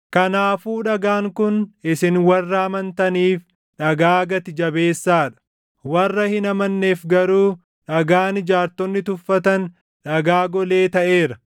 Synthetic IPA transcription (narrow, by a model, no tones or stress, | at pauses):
kɐnaːfuːᶑɐɡaːŋkʊnɪsɪnwɐrːɐɐmɐnt̪ɐniːf | ᶑɐɡaːɡɐt̪ɪd͡ʒɐbe̞ːsːaːᶑɐ̥ | wɐrːɐhɪnɐmɐnːe̞ːfɡɐɾuː | ᶑɐɡaːnɪd͡ʒaːɾt̪ɔnːɪt̪ʊfːɐt̪ɐn | ᶑɐɡaːɡɔle̞ːt̪ɐʔeːɾɐ